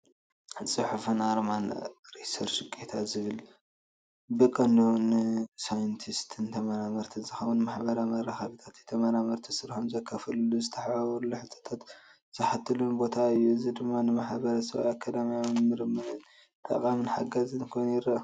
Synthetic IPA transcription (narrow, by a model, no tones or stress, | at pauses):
sʼɨħufunaɾmanɾisɐɾʃɨkʼːet̪ʰazɨβɨl | bɨkʼɐnonsajɨnt̪ʰist̪ʰɨnt̪ʰɐmɐɾamɐɾt̪ʰɨnzɨxɐwunmaħbɐɾamɐrːɐxɐβit̪ʰat̪jet̪ʰɐmɐɾamɐɾt̪ʰisɨɾħomzɐkʰːɐfɐlulːuzɨt̪ʰɐħaβɐɾulːuħɨt̪ʰo̥t̪ʰat̪ | z̥ɐħat̪ʰːɨlunbo̞t̪ʰaɨjːuzid̪ɨmːanɨmaħbɐɾɐsɐ̰βakʰad̪ɐmijamnmɨɾmɐdɨn | t̪ʼɐ̰kʼamɨnħaɡɐzɨnkʰojnjɪɾɐ